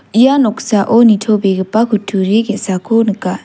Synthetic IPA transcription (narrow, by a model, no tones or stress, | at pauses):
ʔijanɔksaʔonitʰobeɡepakʰutʰuɾeɡeʔsakʰonəka